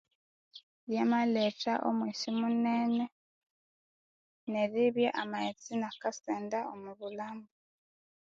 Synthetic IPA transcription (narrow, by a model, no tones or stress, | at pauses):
jamaletaʔo̰mwiːsimuneːne | neɾiβjaʔamaet͡sinakaseːndaomuβulaːmbu